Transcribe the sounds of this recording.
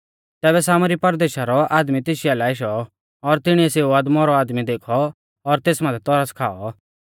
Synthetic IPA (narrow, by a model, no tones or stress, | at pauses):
t̪ɛːβɛsaːmɾipɐɾd̪eːʃaɾɔaːd̪mit̪eːʃialaːeʃ̬ɔː | ɾt̪ɪɽ̃iɛseːuaːd̪mɔɾɔaːd̪mid̪eːkʰɔː | ɾt̪eːsmãːt̪ʰɛt̪ɔɾaskʰa̰ːɔ